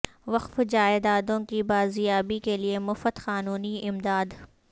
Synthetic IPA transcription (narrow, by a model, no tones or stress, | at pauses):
ʋɐqfd͡ʒaːɪd̪aːd̪õkibaːzjaːbikeliemʊfət̪xaːnuːniɪmd̪aːd̪